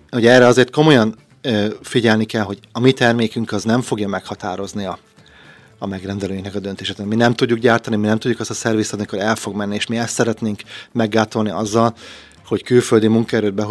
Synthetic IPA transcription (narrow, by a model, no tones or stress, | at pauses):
ho̞ɟɛrːɛɒzeːrt̪ko̞mo̞jɒn | fiɟɛlnikɛlɦo̞ɟɒmit̪ɛrmeːkyŋkɒznɛɱfo̞ɡjɒmɛkhɒt̪aːɾo̞zniɒː | mɛɡrɛnd̪ɛløːiŋknɛkɒd̪ø̞nt̪eːʃeːt̪minɛmt̪uɟːukɡɟaːrt̪ɒniminɛmt̪udɟːukɛst̪ɒsɛrviːst̪ɒmiko̞ɾɛlfo̞ɡmɛnːieːʃmiɛst̪sɛɾɛt̪neːŋkmɛɡːaːt̪o̞lniɒzːɒl | ho̞ckylføld̪imuŋkɒɛɾøːd̪̚bɛɦ